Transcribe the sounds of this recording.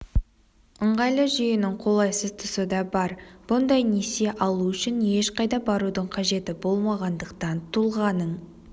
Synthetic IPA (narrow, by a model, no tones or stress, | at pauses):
əɴʁɑjlˠəʒʏjɪnɪŋqʰo̞lˠɑjsəzt̪ʰʊsəd̪ɑbɑɾb̥ʊnd̪ɑjnese̞ʔɑlˠuʏʃɪnje̞ʃqɑjd̪ɑbɑɾud̪əɴqʰɑʒe̞t̪ɪbo̞lˠmɑʁɑnd̪əqt̪ɑnt̪ʰulˠʁɑnəɴ